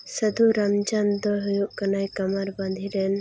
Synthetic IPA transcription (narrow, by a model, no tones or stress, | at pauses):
səd̪ʱuɾamd͡ʒand̪ɔɦujuʔkanajkamaɾbãnd̪ʱiɾɛn